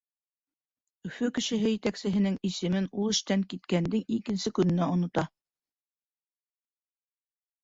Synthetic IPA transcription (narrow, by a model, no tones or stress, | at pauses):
ɵ̆fɵkɘ̆ʃɘ̆ɦɘjɘ̆t̪æksɘ̆ɦɘ̆nɘŋisɘ̆mɘnulˠɘ̆ʃt̪æŋkit̪kænd̪ɘŋikɘ̆nsɘkɵ̆nɘ̆næŏnŏt̪ɑ